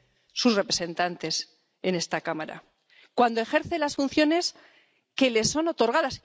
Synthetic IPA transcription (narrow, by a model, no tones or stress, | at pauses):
susre̞pɾe̞sẽ̞nt̪ant̪e̞s | e̞ne̞st̪akamaɾa̰ | kwand̪o̞e̞xe̞ɾθelasfun̟θjo̞ne̞s | ke̞le̞sːo̞no̞t̪o̞ɾɣ̞aðas